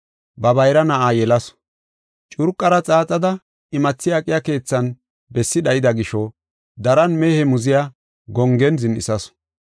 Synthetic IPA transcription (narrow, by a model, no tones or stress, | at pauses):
bɐbɐjɾɐnɐʔaːjɛlɐs | t͡ʃʼʊɾkʼːɐɾɐt͡sʼaːt͡sʼɐd̪ɐ | ɪmɐt͡sːɪjakʼɪjake̞ːt͡sːɐn | bɛsːɪdɐjɪd̪ɐɡɪʃɔ | d̪ɐɾɐnmeːhɛmʊzɪja | ɡɔŋɡɛnzɪnʔɪ̰sɐs